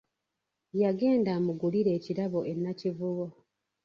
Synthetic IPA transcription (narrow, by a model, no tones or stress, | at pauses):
jaɡe̞ːndaːmuɡuliɾe̞ːciɾaβo̞ʔenːacivuβo